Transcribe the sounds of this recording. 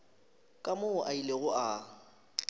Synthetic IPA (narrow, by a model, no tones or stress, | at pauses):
kʼamoʔaileɣʊʔa